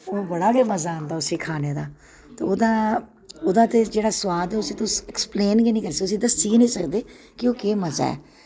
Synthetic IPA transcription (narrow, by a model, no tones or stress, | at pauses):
oːbəɽaːɡeːməzaːnd̪aːʊsiːkʰaːneːd̪aː | t̪eːod̪aː | od̪ãːt̪eːd͡ʒeːɽaːsʊwaːd̪ɛːʊsĩːt̪ʊsɛkspleːnɡeːnĩːkəɾsiʊs̬ĩːd̪əsiːnĩːsəkd̪eː | kɪoːkeːməza̰ːɛ̰ː